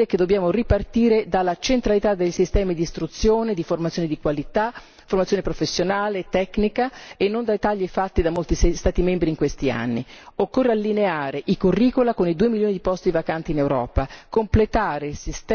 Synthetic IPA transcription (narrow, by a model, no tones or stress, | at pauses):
ɛkːed̪obːjaːmoripart̪iːɾed̪alːat͡ʃent̪ɾalit̪ad̪ːeʎsist̪ɛːmid̪iːst̪ɾut̪sːjoːned̪iformat̪sjoned̪ikwalit̪a | format̪sjoːnepɾofesːjonaːlet̪ɛknikaenːond̪ajt̪aʎːefat̪ːid̪amːolt̪isst̪aːt̪imɛmbɾiːŋkwest̪ia̰nːḭokːorːealːineaːɾeʔikurːiːkolakonid̪uːemiljoːnid̪ipɔst̪ivakant̪iːnewɾɔ̰ːpakomplet̪aːɾeilsist̪